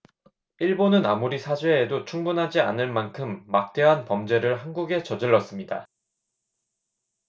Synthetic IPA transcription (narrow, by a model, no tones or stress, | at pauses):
iɭbonɯnamuɾisʰad͡ʑweːdot͡ɕʰuŋbunɦad͡ʑia̰nɯɭmankʰɯmːak̚t͈e̞ɦanpʌmd͡ʑe̞ɾɯɭɦanɡuɡe̞t͡ɕʌd͡ʑɯɭːʌs͈ɯmɲida̰